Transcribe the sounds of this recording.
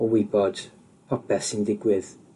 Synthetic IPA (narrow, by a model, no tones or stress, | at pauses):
ɔwɪbɔd̥ | pʰɔpʰɛsɪndɪɡwɪð